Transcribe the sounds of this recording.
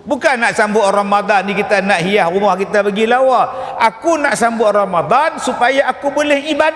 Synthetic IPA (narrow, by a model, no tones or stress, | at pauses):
bukanːaʔsambʊʔramad̪anːikit̪anaʔɦijahrumahkit̪abaɡilawaʔakunaʔsambʊʔramad̪ˤansupajaːkubolɛhiba